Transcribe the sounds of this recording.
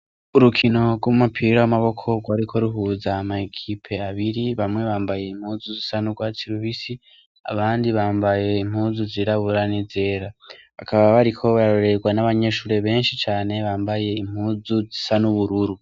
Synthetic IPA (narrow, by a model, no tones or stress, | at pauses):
uɾukʰino̞ɡwomumapʰiːɾaamaβo̞kʰo̞ɡwaːɾikʰo̞ɾuɦuːzamaekʰipʰe̞aβiɾiβamŋe̞βaːmbaje̞im̥huːzuzisanuɡwatiɾuβisi | a̰βaːndiβaːmbaje̞im̥huːzuziɾaβuɾanize̞ːɾaβa̰kaβaβaɾikʰo̞βaɾɾoɾe̞ɡwanaβaɲe̞ʃuːɾe̞βe̞ːnʃit͡ʃaːne̞βaːmbaje̞im̥huːzuzisanuβuɾuɾu